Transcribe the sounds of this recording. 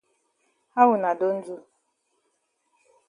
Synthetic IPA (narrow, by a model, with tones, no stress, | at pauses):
a˦wʊ˨na˨do˦n̩˦d͡zu˦